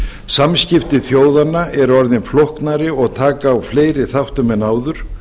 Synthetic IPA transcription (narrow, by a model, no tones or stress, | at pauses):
samscɪft̪ɪθjoːwðanːaʔɛɾɔɾðɪnflohknaɾɪɔɣt̪ʰaːkaːwfleːjɾɪθawht̪ʏmɛnaːwðʏɾ̥